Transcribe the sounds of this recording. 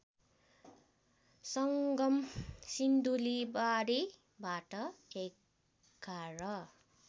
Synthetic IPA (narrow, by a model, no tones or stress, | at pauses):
sʌŋɡʌmsind̪ulibaɽe | baʈʌekː | aɾʌ